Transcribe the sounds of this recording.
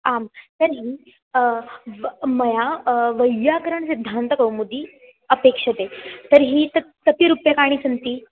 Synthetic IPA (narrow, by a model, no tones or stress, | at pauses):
amt̪əɾiː | məjaʋəjakəɾaɳsid̪ʱːant̪əkəwmud̪ʱiː | əpekʂət̪et̪əɾɦiːt̪ət̪əp̪iɾupjakaɽ̃ĩːsənt̪iː